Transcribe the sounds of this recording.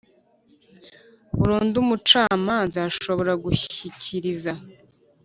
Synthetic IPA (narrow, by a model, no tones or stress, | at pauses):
βuɾuːndumut͡ʃaːmaːnzaːʃo̞βo̞ɾaɡuçicʰiɾiza